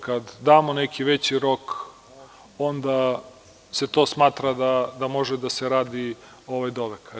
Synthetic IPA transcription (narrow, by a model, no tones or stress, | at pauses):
kad̪ːaːmonekʰiʋet͡ɕiɾo̞k | o̞nd̪a | se̞t̪o̞ːsmaːt̪ɾad̪ad̪amo̞ʒed̪aseɾaːd̪i | oʋajd̪o̞ʋekʰa